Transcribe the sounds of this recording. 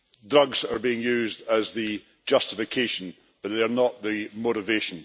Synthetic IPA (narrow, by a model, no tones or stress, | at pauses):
dɹʌɡz̥ə˞biɪ̃ŋjʉːzdəzðɨ | d͡ʒʌstɪfɪkʰeʃə̃n | b̥ʌʔ̚ðeə˞nəʔðɨmoɾɪveʃə̃n